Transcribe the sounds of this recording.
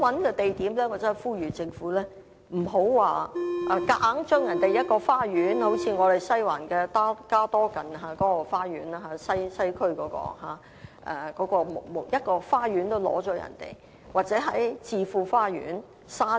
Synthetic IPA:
wɐ˨˧˥nkɛː˧t̪e˨jt̪iː˨˥mlɛː˥waː˨˩t͡sɛ˨˥˨jfuː˥jyː˨˩t͡sɪ˧ŋfuː˨˥lɛː˥ | m̩˨˩ɦo˨˥wwaː˨ʔaː˧˩kaː˨˥ŋt͡ʃœː˥ŋjɐ˨˩nt̪e˨jɐ˥t̚kɔː˧faː˥jyː˨˥nho˨˥wt͡sʰiː˧ŋɔː˨˧ɾe˨˩jsɐ˥jwa̰ː˨˩nkɛː˧t̪aː˥kaː˥t̪ɔː˥kɐ˨˩nɦaː˧˩kɔː˨˥kɔː˧faː˥ɥyː˨˥naː˧ɦa˨˧˥sɐ˥jsɐ˥jkʰɵ˥ɥkɔː˨˥kɔ̰ː˧ɦa̰ː˨˥ | ʔɛ̰˨˧kɔː˨˥kɔː˧mo˨˩mo˨˩jɐ˥t̚kɔː˧faː˥ɥyː˨˥nt̪o˥wlɔ̰ː˨˥t͡ʃɔː˨˥jɐ̰˨˩nt̪ḛ˨˩j | waː˨˩t̚t͡sɛː˨˥ɦɐ˨˥jt͡siː˨fuː˨˧faː˥jy̰ː˨˥n | saː˥

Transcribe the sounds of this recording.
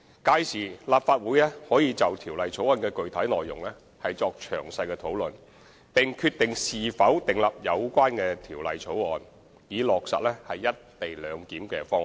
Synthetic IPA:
kaː˧jsiː˨˩laː˨pfaː˧t̚wuː˨˥jlɛː˥hɔː˨˥jiː˨˧t͡sɐ˨wt̪ʰiː˨˩wlɐ˨jt͡sʰo˨˥wɔː˨˧nkɛː˧kɵ˨ɥt̪ʰɐ˨˥jlɔː˨jːʊ̰˨˩ŋlɛː˥ | hɐ˨jt͡sɔː˧k̚t͡ʃʰœ̰ː˨˩ŋsɐ˧jkɛː˧t̪ʰo˨˥wlɵ˨n | p̪ɪ˨˩ŋkʰyː˧t̪̚ɪ˨ŋsiː˨fɐ˨˥wt̪ɪ˨ŋlɐ˨p̚jɐ˨˧wkʷaː˥nkɛː˧t̪ʰiː˨˩wlɐ̰˨jt͡sʰo˨˥wɔː˨n | jiː˨˧lɔː˨k̚sɐ̰˨t̚lɛː˥hɐ˨jːɐ˥t̚t̪e˨jlœː˨˧ŋkiː˨˥mkɛ̰ː˧fɔː˥ŋ˨˩

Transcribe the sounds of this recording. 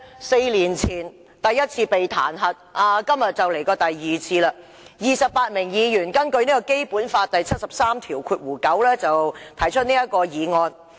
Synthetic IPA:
se˧jliː˨˩nt͡sʰiː˨˩n | t̪ɐ˨jːɐ˥t̚t͡sʰiː˧pe˨jt̪ʰa̰ː˨˩nɦɐ˨t̚ʔaː˨˧kɐ˥mjɐ˨t̚t͡sɐ˨˩wle˨˩jkɔː˧t̪ɐ˨jːiː˨t͡sʰiː˧laː˧ | jiː˨sɐ˨p̚paː˧t̚mɪ˨˩ŋjiː˨˧jyː˨˩nkɐ˥nkɵ˧ɥniː˥kɔ˧ke˥jpuː˨˥nfaː˧t̚t̪ɐ˨jt͡sʰɐ˥t̚sɐ˨p̚saː˥mt̪ʰiː˨˩wkʰuː˧t̚wuː˨˩kɐ˨˥wlɛː˥t͡sɐ˨wt̪ʰɐ˨˩jt͡ʃʰɵ˥t̚niː˥jɐ˥t̚kɔː˧jiː˨˧ŋɔː˧n

